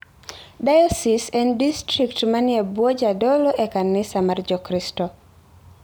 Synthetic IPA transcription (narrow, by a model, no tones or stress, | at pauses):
dajɔsisɛndistɾiktmanɪebwɔd͡ʒadɔlɔʔekanːɪsamard͡ʒɔkɾistɔ